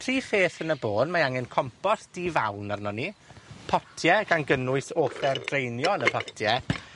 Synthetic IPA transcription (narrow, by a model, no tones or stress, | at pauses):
tʰr̥iːfeːθənəboːdmaaŋɛnkʰɔmpɔsd̥iːvawnarnɔnipʰɔtʰjɛɡ̥anɡənʊɨsoːfɛrdrejnjɔnəpʰɔtʰjɛ